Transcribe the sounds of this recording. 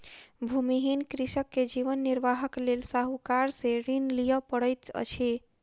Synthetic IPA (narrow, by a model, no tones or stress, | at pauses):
bʱumiɦinkɾisəkːed͡ʒiʋənːiɾʋaɦəklelsaɦukaɾsẽɾinlijəpəɽəjt̪ə̰t͡ʃʰi